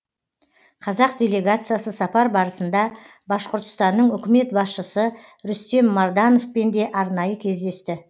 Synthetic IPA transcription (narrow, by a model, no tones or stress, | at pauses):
qʰɑzɑq̚d̪ʲe̞lʲe̞ɡat̪sɨjasəsɑpɑɾbɑɾəsənd̪ɑ | bɑʃqʊɾt̪ə̥st̪ɑnːəɴʏkʲɪme̞t̪̚bɑsʃəsə | ɾʏst̪e̞mːɑɾd̪ɑno̞fpend̪e̞ʔɑɾnɑjəkʲʰe̞zd̪e̞st̪ɪ